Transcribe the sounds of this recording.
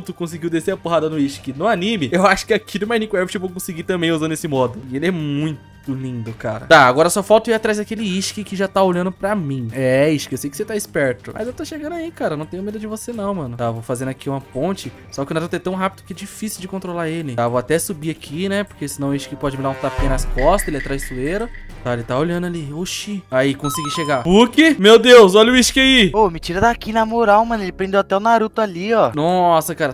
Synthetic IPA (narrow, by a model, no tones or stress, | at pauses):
t̪ʊkõs̬ɪɡiwd̪eseɐpoɦad̪ɐnʊiʃkɪnʊanĩmɪewaʃʊ̥kɪakʰid̪ʊmajnĩkwɛvit͡ʃevowkõsɪɡit̪ɐ̃mbẽj̃uzɐ̃nd̪ʊesɪmɔd̪ʊelɪɛmũj̃t̪ʊlĩnd̪ʊkaɾɐ̰t̪aaɡɔɾɐsɔfawt̪ʊiat̪ɾazakelɪiʃkɪkɪʒat̪aoʎɐ̃nd̪ʊpɾɐmĩɛiʃkɪewsejkɪ̥set̪aɪspɛɾt̪ʊmɐ̰zewt̪oʃeɡɐ̃nd̪ʊaikaɾɐnɐ̃w̃t̪ẽɲʊmed̪ʊd͡ʒɪvosenɐ̃w̃mɐ̃nʊt̪avowfazẽnd̪ʊakʰiũmɐpõnt͡ʃɪ | sɔkɪʊnaɾut̪ʊɛt̪ɐ̃w̃ɦapɪd̪ʊkɪɛd͡ʒifisiuwd͡ʒɪkõnt̪ɾolaɾelɪavoat̪ɛsubiakʰinɛpoɾkesɪnɐ̃w̃iʃt͡ʃʊ̥kɪpɔd͡ʒɪmid̪ãt̪apkẽnɐskɔst̪ɐelɪat̪ɾajssueɾɐ | t̪aelɪt̪aoʎɐ̃nd̪ʊalioʃiaikõsiɡiʃeɡapuɾkɪmewd̪ewsɔʎʊiʃʊ̥kaiomɪt͡ʃiɾɐd̪akinɐmoɾawmɐ̃nʊelɪpɾẽnd̪ewat̪ɛʊnaɾut̪ʊaliɔnɔsɐkaɾɐ